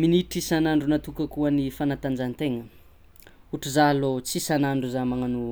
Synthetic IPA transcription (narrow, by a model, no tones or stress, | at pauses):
miniʈ͡ʂisanaɳɖ͡ʐunat̪ukəkuənifanat̪and͡ʒant̪eŋə | uʈ͡ʂuzalot͡sisanaɳɖ͡ʐuzamaŋanu